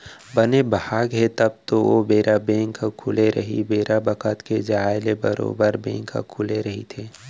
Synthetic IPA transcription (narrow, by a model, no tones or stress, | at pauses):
bənebɦaːɡɦɛt̪əb̚t̪oobeːɾʔabẽːŋkʰakʰʊleɾʔɐ̰ɦḭbeːɾabəkʰət̪ked͡ʒaːɪlebəɾo̰ːbəɾbɛ̰̃ːŋkʰːa̰kʰʊleɾɐɦit̪ʰeː